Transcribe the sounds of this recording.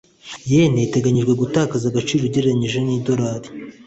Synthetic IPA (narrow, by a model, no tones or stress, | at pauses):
jenejte̞ɡaɲiʒɡwe̞ɡutaːkazaɡat͡ʃiːɾoɟe̞ɾeaɲiʒe̞niːdo̞ɾaːɾi̥